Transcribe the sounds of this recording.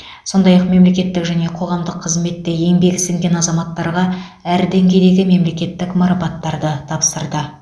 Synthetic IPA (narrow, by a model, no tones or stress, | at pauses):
so̞nd̪ɑjɑqme̞mle̞kʲe̞t̪ːɪkʒæne̞qʰo̞ʁɑmd̪əqʰːəzme̞t̪ːeje̞ŋbe̞ɡʲɪsɪŋɡʲe̞nɑzɑmɑt̪ːɑɾʁɑ | æɾd̪eŋɡʲe̞jd̪e̞ɡʲɪme̞mle̞kʲe̞t̪ːɪkmɑɾɑpɑt̪ːɑɾd̪ət̪ʰɑpsəɾd̪ə